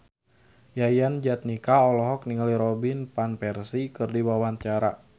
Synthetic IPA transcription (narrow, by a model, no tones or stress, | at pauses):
jajand͡ʒat̪̚nikaɔlɔɦɔk̚niŋaliɾɔbinpanpɛrsikɨrdiwawant͡ʃaɾa